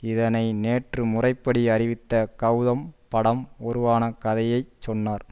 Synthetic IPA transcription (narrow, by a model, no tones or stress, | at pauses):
ɪðɐnɐɪneːʈrɯmʊrɐɪpːɐɽiɐrɪʋɪt̪ːɐkɐʊðɐmpɐɽɐmɔɾɯʋaːnɐkɐðɐjɐɪt͡ʃt͡ʃːɔnːaːɾ